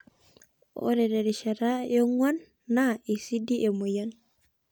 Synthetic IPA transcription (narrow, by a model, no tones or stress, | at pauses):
o̰ɾedeɾiʃaɾajoŋwanː | aisidiʔemujan